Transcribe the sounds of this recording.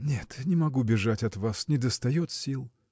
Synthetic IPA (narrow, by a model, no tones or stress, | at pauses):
nʲet̪nʲɪmɐɡubʲɪʐatʲɐt̪vasnʲɪd̪əst̪ɐjot̪sʲilˠ